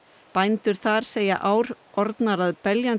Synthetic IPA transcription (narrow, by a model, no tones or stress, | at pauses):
pajnt̪ʏɾ̥θaɾ̥seːja̰ʔaːwɾʔɔɾt̪naɾaðpɛljan